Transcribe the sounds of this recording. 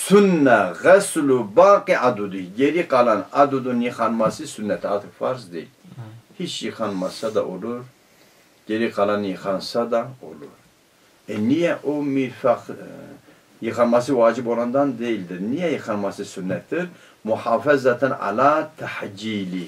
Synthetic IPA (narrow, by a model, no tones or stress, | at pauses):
sunːæɣɛslubaːqiʔad̪ud̪iɡeɾiqalanad̪ud̪unjixanmɑsisunːɛt̪ʰaːt̪ʰɨkfɑɾsd̪ḛlhit͡ʃjixanmasad̪aʔoluɾ | ɡ̥eɾiqɑlanjixansad̪ao̰luɾ | enijɛʔomifaχ | jixanmasiwaːd͡ʒiboland̪and̪eld̪ɨɾnijɛjixɑnmasisunːɛɨɾ | muħaːfɛzat̪ʰana̰laːt̪ʰaħd͡ʒiːli